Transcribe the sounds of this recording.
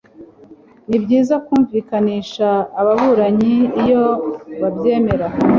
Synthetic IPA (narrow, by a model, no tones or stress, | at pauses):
nibɟiːzakuːɱviːkaniːʃaːβaβuːɾaɲiːjo̞βabjeːme̞ɾa